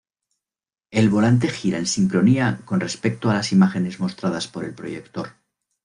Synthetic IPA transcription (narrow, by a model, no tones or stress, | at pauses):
e̞lβo̞lant̪e̞xiɾa̰e̞nsiŋkɾo̞niako̞nre̞spe̞k̚t̪oalasimaxe̞ne̞zmo̞st̪ɾað̞aspo̞ɾe̞lpɾo̞̰je̞kt̪o̞ɾ